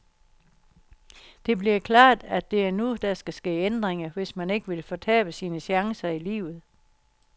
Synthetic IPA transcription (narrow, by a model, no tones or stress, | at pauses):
d̥e̝b̥liɐkʰlɑ̰̈ːd̥æd̥e̝æɐnud̥æsɡ̥æsɡ̥e̝̰ːend̥ʁeŋɐʋe̝smæne̝ɡ̥əʋilfɒ̽t͡sʰɛ̰ːb̥əsiːnəɕjɑ̈ŋsɐilḭːʊð̞̩ˠ